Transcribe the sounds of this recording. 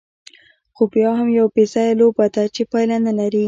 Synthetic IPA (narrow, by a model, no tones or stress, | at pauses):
xopjɑɦamjawpesajalobad̪at͡ʃepɑjlanalaɾi